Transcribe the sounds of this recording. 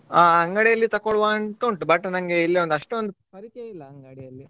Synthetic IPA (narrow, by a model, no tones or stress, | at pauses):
aːɐŋɡɐɽejɐlːit̪ɐkoɭʋaɳkoɳʈbɐʈːnɐŋɡeilːeond̪ɐʂʈuond̪u